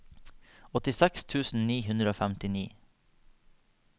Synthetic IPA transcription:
ɔt̪ɪsɛkst̪ʰʉːsn̩niːhʉnd̪ɾəoːfæmt̪ɪniː

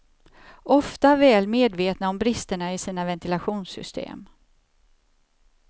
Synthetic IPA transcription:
ʔɔft̪avɛːlmeːd̪veːt̪naɔmbɾɪst̪əɳaɪsiːnavɛnt̪ɪlaɧuːnsʏ̰st̪ʰḛːm

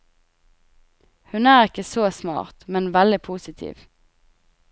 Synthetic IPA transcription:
hʉnæːʁɪkəsoːsmɑ̰ːʁt̪mɛnʋɛld̪ɪpʰuːsɪt̪ʰḭːʋ

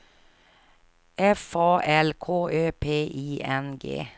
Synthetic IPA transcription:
ʔɛfɑːʔɛlkʰoːʔøːpʰeːʔiːʔɛnɡḛː

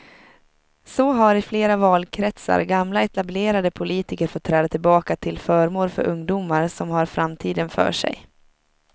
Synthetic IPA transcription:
sɔɦaɾɪfleːɾavɑːlkʰɾɛt̪sa̰ɾɡamlaɛt̪ableːɾad̪əpʰʊliːt̪ɪkəɾfɔt̪ʰːɾɛːd̪at̪ʰɪlbɑːkat̪ʰɪlfœːɾmoːɾfœ̰ɾʔɵŋd̪uːmaɾsɔmhaɾfɾamt̪ʰiːd̪ənfœ̰ːʂɛ̰j

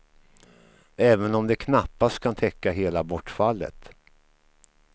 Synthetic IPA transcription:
ɛːvənɔmd̪ɛkʰnapːast̪̚kʰant̪ʰɛkːaɦeːlabɔʈːfalːə̰t̪

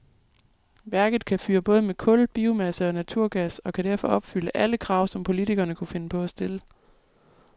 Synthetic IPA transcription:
ʋæɐɡ̥ð̞̩ˠkʰæfyːɐb̥ɔ̽ːð̞ˠəmekʰɔ̽lb̥iːʊmæsəɒ̽næt͡sʰuɐ̰ɡ̥æsɒ̽kʰæd̥æɐ̰fɒ̽ʔɒ̽b̥fyləʔæləkʰʁɑ̈ʊ̰sɒ̽mpʰo̝lit͡sʰiɡ̥ɐnəkʰufe̝nəpʰɒ̽æsd̥e̝lə

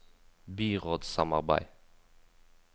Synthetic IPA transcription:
biːʁod̪samɑ̰ʁba̰j

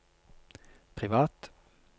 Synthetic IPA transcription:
pʰʁɪʋɑːt̪

